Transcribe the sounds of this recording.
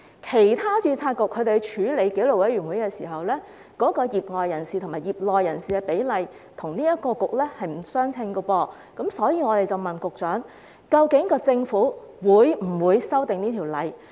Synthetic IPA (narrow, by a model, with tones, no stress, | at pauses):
kʰe˨˩jt̪ʰaː˥t͡ʃyː˧t͡sʰaː˧t̚kʊ˨k̚ʰːɵ˨˧˥t̪e˨˧t͡ʃʰyː˨˧˥le˨˧jke˨˥jlo˨kwɐ˨˥jɥyː˨˩nwu˨˥jkɛː˧siː˨˩ɦɐ˨wlɛː˥ | kɔː˨˥kɔː˧jiː˨p̚ŋɔː˨jːɐ˨˩nsiː˨t̪ʰmaː˨jiː˨˩p̚lɔː˨jːɐ˨˩nsiː˨kɛː˧pe˨˥jlɐ˨j | t̪ʰʊ˨˩ŋniː˥jɐ˥t̚kɔː˧kʊ˨k̚lɛː˥hɐ˨jm̩˨˩sœː˥ŋt͡sʰɪ˧ŋɡə˧wɔː˧ | kɐ˨˥msɔː˨˥jiː˧ŋɔ˨˧t̪e˨jt͡sɐ˨wmɐ˨nkʊ˨k̚t͡ʃœː˨˥ŋ | kɐ˧wkɪ˨˥ŋkɔː˧t͡sɪ˧ŋfuː˨˥ | wuː˨˧jm̩˨˩wuː˨˧jsɐ˥wt̪ɪ˨ŋniː˥t̪ʰiː˨˩wlɐ˨j